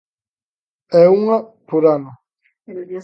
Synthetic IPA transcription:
ɛuŋapuɾano

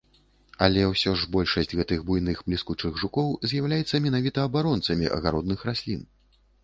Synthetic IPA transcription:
ɐlʲɛwsʲɔʐbɔlʲʂɐsʲtʲɣɛt̪ɨɣbujnɨxblʲiskut͡ʂɨɣʐukɔwzʲjawlʲajɛt̪sːɐmʲɛnavʲit̪ɐːbaɾɔnt̪sɐmʲiʔɐ̰ɣaɾɔd̪nɨxɾasʲlʲin

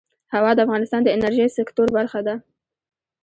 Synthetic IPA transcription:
hawɑd̪əafɣɑnɪst̪ɑnd̪əɪnaɾʒijsɪkt̪oɾbaɾxad̪a

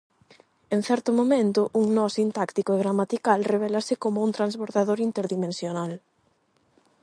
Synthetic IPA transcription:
eŋ̟θɛɾt̪ʊmomẽnt̪ʊʔuŋnɔsint̪akt̪ikoeɣɾamat̪ikalreβ̞ɛlɐsɪkomʊuŋt̪ɾanzβoɾðaðoɾint̪eɾðimẽnsjonal

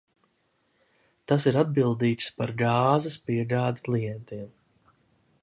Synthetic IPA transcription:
t̪as̬iɾad̪̚bilˠd̪iːt̪spaɾɡaːzɐspiɛɡaːd̪i̥klˠijɛnt̪iɛm

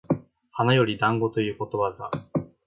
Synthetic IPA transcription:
hanajo̞ɾʲid̪ãŋɡo̞t̪o̞jɯ̟ːko̞t̪o̞βaza

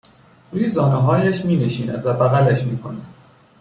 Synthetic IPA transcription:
ɾuːjezɒːneɦɒːjæʃmiːneʃiːnæ̰d̪væbæɣælæʃmiːkʰonæd̪̥

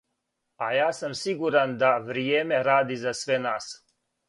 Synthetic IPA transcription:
ajaːsamsiɡuɾand̪aʋɾijeːme̞ɾaːd̪izasʋenaːs

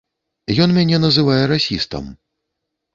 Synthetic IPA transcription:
jɔnmʲanʲɛnɐzɨvajɛɾasʲist̪ɐ̰m

